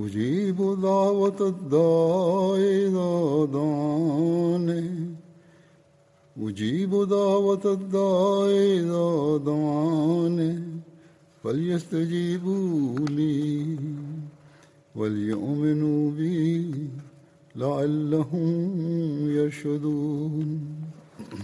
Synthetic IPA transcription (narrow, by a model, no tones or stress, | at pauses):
wʊd͡ʒiːbud̪aːwɐt̪ɐd̪aːed̪ad̪a | ne | ʊd͡ʒiːbud̪aːwɐt̪d̪ːaːed̪ad̪a | ne | fɐljɐst̪ɐd͡ʒiːbuliː | wɐljʊ̰ʔmɪnuːbɪ | laʕalːɐɦʊm | jɐɾʃɐd̪uː